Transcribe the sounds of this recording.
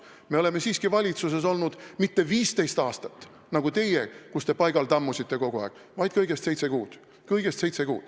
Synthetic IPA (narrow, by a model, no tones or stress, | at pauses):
meo̞le̞me̞siːskivɑlʲit̪sus̬es̬o̞lnud̪̥mit̪ːe̞viːst̪e̞jst̪ɑːst̪ɑ̥t̪ːˑ | nɑɡ̥ut̪e̞jekust̪e̞pɑjɡ̥ɑlt̪ɑmːusit̪ːe̞ko̞ɡ̥uɑ̰ːkːˑ | vɑjd̪̥̚kɤjɡ̥e̞st̪se̞jt̪se̞kuːd̪̥ | kɤjɡ̥e̞st̪se̞jt̪se̞kuːd̪̥